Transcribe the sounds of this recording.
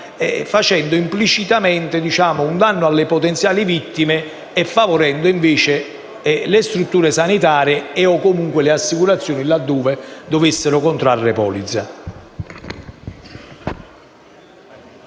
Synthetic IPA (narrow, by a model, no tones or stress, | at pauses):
ɛfat͡ʃɛnd̪oimplit͡ʃit̪amɛnt̪ɪd̪it͡ʃaːmʊund̪anːʊalːepot̪ɛnt̪sjaːlivit̪ːime | ɛfːavoɾɛnd̪oiɱveːt͡ʃɪ | lest̪ɾut̪ːuːɾesanit̪aːɾjeɛɔkːomuŋkwelɪasːikuɾat̪sːjoːnilad̪ːoːved̪ovesːeɾʊkont̪ɾarːepɔ̰ːlid̪za